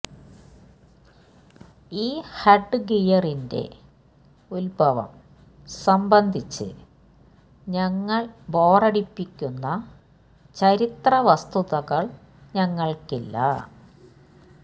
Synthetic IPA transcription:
iːhɐɖːɨɡijɐrinde̞̰ | ulbʱɐʋɐ̰m | sɐmbɐnd̪ʱit͡ɕːɨ̰ | ɲɐŋːɐɭbo̞ːrɐɽipːikʲːunːɐ | t͡ɕɐɾit̪rɐʋɐst̪uðɐɣɐɭ | ɲɐŋːɐɭkilːɐ̰

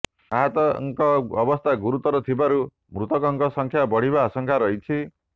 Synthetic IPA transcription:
aɦat̪ʌŋkʌːbʌst̪ʰaɡuɾut̪ʌɾut̪ʰibaɾu | mɾut̪ʌkʌŋkʌsʌŋkʰjabʌɽ̤ibasʌŋkʰaɾʌɦjt͡sʰi

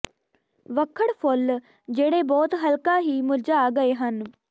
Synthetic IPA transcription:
ʋəkʰːəɽpʰʊl | d͡ʒeːɽeːbɔːt̪ɦəlkãːɦiːmʊld͡ʒaːɡəeːɦən

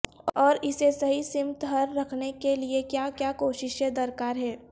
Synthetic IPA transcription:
ɔːɾɪsesɐɦisɪmt̪ɦɐɾːɐkʰnekeliekjaːkjaːkoːʃɪʃjed̪ɐɾkaːɾɦɛː

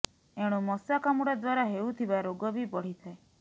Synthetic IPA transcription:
eɽ̃umɔsakamuɽad̪waɾaɦewt̪ʰibaɾoɡɔbibɔɽ̤it̪ʰae

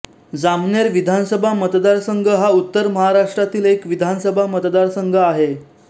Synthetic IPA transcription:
d͡zamneɾʋid̪ʱansəbʱamət̪d̪aɾsəŋɡʱəɦaut̪ːəɾməɦaɾaʂʈɾat̪iːlekʋid̪ʱansəbʱamət̪d̪aɾsəŋɡʱəaɦe

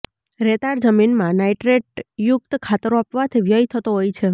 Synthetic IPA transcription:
ɾet̪aɽd͡ʒəminmãnaiʈɾeʈ̚jʊk̚t̪kʰat̪əɾoapʋat̪ʰiʋjəit̪ʰət̪oɦojt͡ʃʰe

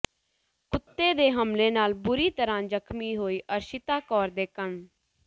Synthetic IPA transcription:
kʊt̪ːeːd̪eːɦəmleːnaːlbʊɾiːt̪əɾãːd͡ʒəkʰmiːɦoːiːʔəɾʃɪt̪aːkɔːɾd̪eːkəɳ

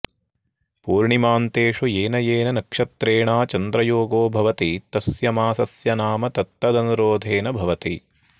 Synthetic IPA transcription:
puːɾɳimaːnt̪eːʂueːnɐjeːnɐnɐkʂɐt̪ɾeːɳaːt͡ʃɐnd̪ɾɐjoːɡoːbʱɐʋɐt̪it̪ɐsjɐmaːsɐsjɐnaːmɐt̪ɐt̪ːɐd̪ɐnuɾoːd̪ʱeːnɐbʱɐʋɐt̪i

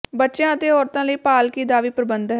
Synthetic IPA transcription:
bətːʃjãːət̪eːɔːɾt̪ãːləiːpaːlkiːd̪aːʋiːpɾəbənd̪ɦ

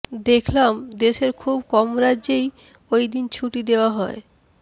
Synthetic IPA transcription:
d̪ekʰlamd̪eʃeɾkʰubkɔmɾadʑej | ojd̪int͡ɕʰuʈid̪eoaɦɔe

